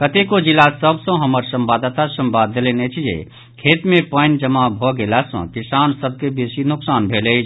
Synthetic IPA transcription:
kət̪ekod͡ʒilasəbsõɦəməɾsəmbaːd̪ət̪asə̃mbaːd̪ːelenet͡ʃʰijḛ | kʰeːt̪mẽpənd͡ʒəmabʱɔɡelasõ̰kɪsaːnsəb̚kebeːsinʊksaːnbʱeːle

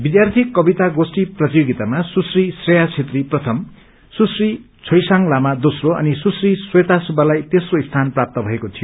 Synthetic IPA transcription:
bid̪jart̪ʰiekːʌbit̪aɡosʈiprʌt̪ijoɡit̪amasusrisrejat͡sʰet̪riprʌt̪ʰʌm | susri | t͡sʰʌjsaŋlamad̪osroʌ̰nisusriswet̪asubalajt̪esroist̪ʰanprap̚t̪ʌbʱʌekot̪ʰijo

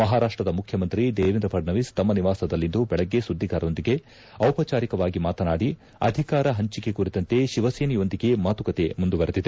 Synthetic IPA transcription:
mɐɦaːɾaːʂʈɾɐd̪ɐmukʰjɐmɐnt̪ɾid̪eːʋind̪ɾɐpʰɐɖnɐʋist̪ɐmːɐniʋaːsɐd̪ɐlːind̪ubɛɭɐɡːe̞sud̪ːiɡaːɾɐond̪iɡe̞ | ɐwpɐt͡ʃaːɾikɐʋaːɡimaːt̪ɐnaːɽi | ɐ̰d̪ʱikaːɾɐɦɐɲt͡ʃike̞kuɾit̪ɐnt̪e̞ʃiʋɐseːnijo̞nd̪iɡe̞maːt̪ukɐt̪e̞mund̪uʋɐɾed̪id̪e

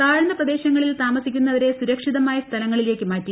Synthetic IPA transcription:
aːɻɐnd̪ɐprɐd̪e̞ːɕɐŋːɐɭilt̪aːmɐsikʲːunːɐʋɐɾe̞suɾɐkʂiðɐmaːjɐst̪ʰɐlɐŋːɐɭile̞ːkʲːɨmaːtːi

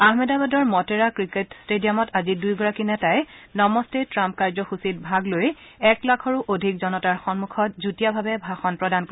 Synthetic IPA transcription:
aɦmɛdabadɔɹmɔteɹakɹiketstedijamɔtazidujɡɔɹakinɛtajnɔmɔstetɹamp̚kaɹzɔxusit̚bʱaɡlojɛklakʰɔɹuʔodʱikzɔnɔtaɹxɔnmukʰɔt̚zutijabʱabɛbʱaxɔnpɹɔdan

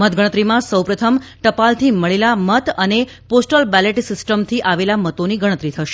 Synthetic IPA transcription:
mət̪ɡəɽət̪ɾimãsəwpɾət̪ʰəmʈəpalt̪ʰiməɭelamət̪əne | posʈəlbɛleʈsɪsʈəmt̪ʰiʔaʋelamət̪oniɡəɽ̃ət̪ɾit̪ʰəʃ

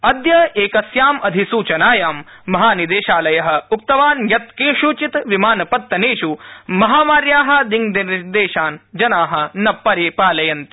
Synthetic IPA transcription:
ɐd̪jɐeːkɐsjaːmɐd̪ʱisuːt͡ʃɐnaːjaːmː | ɐɦaːnid̪eːʃaːlɐjɐɦɐ̆uk̚t̪ɐʋaːnjɐt̪keːʃuːt͡ʃit̪ʋimaːnɐpɐt̪ːɐneːʃumɐɦaːmaːɾjaːɦɐ̆d̪iŋd̪iɾd̪eːʃaːnd͡ʒɐnaːɦɐ̆nɐpːɐɾeːpaːlɐjɐnt̪i̥

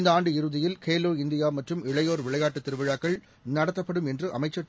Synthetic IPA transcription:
nd̪ɐaːɳɖɯɪɾɯðɪjɪlkʰeːloːɪnd̪ɪjaːmɐʈrɯmɪɭɐjoːɾʋɪɭɐɪjaːʈːɯt̪ːɪɾɯʋɪɻaːkːɐɭ | nɐɽɐt̪ːɐpːɐɽɯmɛndrɯʔɐ̰mɐɪt͡ʃːɐ

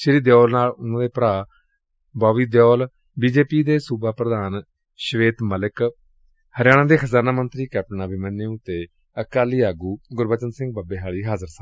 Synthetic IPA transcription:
ʃəɾiːd̪jɔːlnaːlʊnãːd̪eːpəɾaː | baːʋiːd̪jɔːl | biːd͡ʒeːpiːd̪eːsuːbʱaːpɾəd̪aːn | ʃʋeːt̪məlɪk | həɾɪjaːɽ̃ãːd̪eːxʰəzaːnaːmənt̪ɾiːkɛːp̚ʈənaːbɪmənːẽːʊt̪ːeː | əkaːliːaːɡuːɡʊɾbət͡ʃənsɪ̃ŋɡ̚baːbeːɦaːɭiːɦaːzəɾsaː

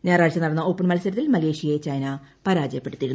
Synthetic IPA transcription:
ɲaːraːɻt͡ɕːɐnːɐɽɐnːɐo̞ːpːɐɳmɐlsɐɾɐt̪ːilmɐle̞ːʂijɐeet͡ɕɐjnɐpɐɾaːd͡ʑɐjɐpːe̞ɽut̪ːiɾun

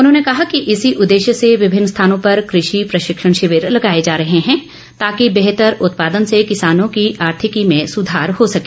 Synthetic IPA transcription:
ʊnɦõːnekɐɦakiʔɪsiʔʊd̪ːeːʃjəseʋɪbʱɪnːəst̪ʰaːnõpɐɾkɾɪʃipɾɐʃɪkʃəɽ̃ʃɪʋɪɾlɐɡaːed͡ʒaːɾɐɦeɦɛ̃ː | t̪aːkibeɦt̪əɾʊt̪paːd̪ənsekɪsaːnõkiʔaːɾt̪ʰɪkimẽsʊd̪ʱaːɾhosɐkeː

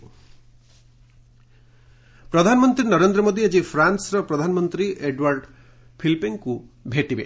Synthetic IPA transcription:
pɾɔd̪ʱanɔmɔnt̪ɾinɔɾend̪ɾɔmod̪ʱied͡ʒipʰɾansɾɔpɾɔd̪ʱanɔmɔnt̪ɾiʔeɖwaɾɖ | pʰilpiŋkubʱeʈibe

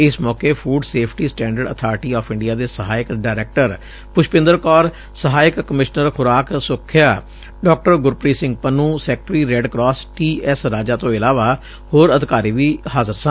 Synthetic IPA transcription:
ɪsmɔːkeːpʰuːɖseːpʰʈiːsʈɛ̃ːɳɖəɖə̰t̪ʰaːɾʈiːɔːfʰɪ̃ɳɖijaːd̪eːsəɦaːjɪkɖaːɪɾɛːk̚ʈəɾ | pʊʃʰpɪ̃nd̪əɾkɔːɾ | səɦaːjɪkːəmɪʃnəɾkʰʊɾaːksʊkʰːɪjaː | ɖɔːk̚ʈəɾɡʊɾpɾiːsɪ̃ŋɡpənũːsɛːk̚ʈɾiːɾɛːɖkɾɔːsʈiːɛsɾaːd͡ʒaːt̪õːɪlaːʋaː | hoːɾəd̪ɪkaːɾiːʋiːhaːzəɾsã

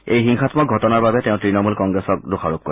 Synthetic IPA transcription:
ejɦiŋxatʰmɔk̚ɡʱɔtɔnaɹbabɛtɛ̃ʊ̃tɹinɔmulkɔŋɡɹɛsɔk̚doxʰaɹup̚ko

